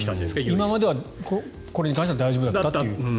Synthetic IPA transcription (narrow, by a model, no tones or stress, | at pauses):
it̪aɕd̪esimamad̪e̞βako | koɾe̞ɲ̟ikãɕ̬teβad̪aiʑobɯd̪at̪ːat̪eɯ̟